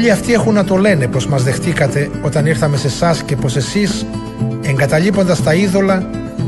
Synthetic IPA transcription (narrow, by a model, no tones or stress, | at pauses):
ʎiɐft̪ie̞xunːɐt̪o̞le̞ne̞po̞zmɐzðe̞xt̪ikɐt̪e̞ | o̞t̪ɐniɾθɐme̞se̞sɐsce̞po̞se̞sis | e̞ŋɡɐt̪ɐʎipo̞nd̪ɐst̪ɐiðo̞lɐ